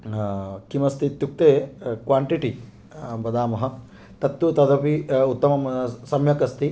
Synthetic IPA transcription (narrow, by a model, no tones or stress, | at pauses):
kimɐst̪ʰit̪juk̚t̪eːkʋaːɳʈiʈi | bɐd̪aːmɐɦɐ̆ | t̪ɐt̪ːut̪ɐd̪ɐpiut̪ːɐmɐmsɐmjɐkɐst̪ʰi